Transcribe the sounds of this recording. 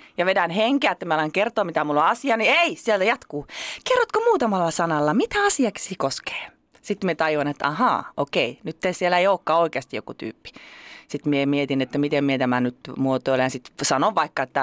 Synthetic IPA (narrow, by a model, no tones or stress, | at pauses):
jɑʋedænheŋkeæet̪ːæmiɑlɑŋkert̪oːmit̪æmulːoɑsiɑnieisielt̪æjɑt̪kuːkerːot̪komuːt̪ɑmɑlːɑsɑnɑlːɑmit̪æɑsiɑksiːkoske̥ː | sit̪miet̪ɑjonet̪ːɑ̰hɑ̰ːokeinyt̪ːeisielæeioːkːɑːoikeɑst̪ijo̰kut̪y̰ːpːi̥sit̪miemiet̪inet̪ːæmit̪emmiet̪æmænyt̪muot̪oilejɑnsit̪sɑnoʋʋɑikːɑet̪ːæ